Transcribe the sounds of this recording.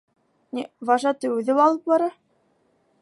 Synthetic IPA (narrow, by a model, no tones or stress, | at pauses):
nʲivɑʒɑt̪ɘʉðɘwɑlˠɤp̚bɑɾɤ